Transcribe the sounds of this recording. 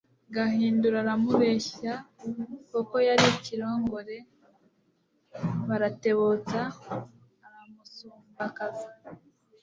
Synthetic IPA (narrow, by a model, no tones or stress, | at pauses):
ɡahiːnduɾaɾamuβeça | koko̞jaɾiciɾo̞ːŋɡo̞ɾe̞ | βaɾate̞βot͡saː | βamusumbakazi